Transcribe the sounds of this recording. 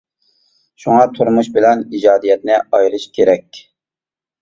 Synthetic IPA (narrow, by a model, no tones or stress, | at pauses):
ʃuŋɑt̪ʰuɾmuʃbɪlɛnid͡ʒɑːd̪ijɛt̪̚nɪɑjɾɨʃkʲʰeɾɛkʲ